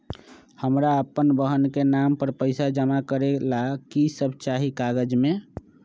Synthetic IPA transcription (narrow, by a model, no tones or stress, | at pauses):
həmɾaəpənbəɦənkenampəɾpəɪsad͡ʒəmakəɾelakisəbʱt͡ʃaɦikaɡəd͡ʒme